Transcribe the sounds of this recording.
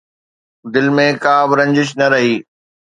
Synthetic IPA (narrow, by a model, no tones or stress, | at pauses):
d̪ɪlmẽkaːbɾɐ̃ɲd͡ʑɪʃ̬nɐɾɐɦiː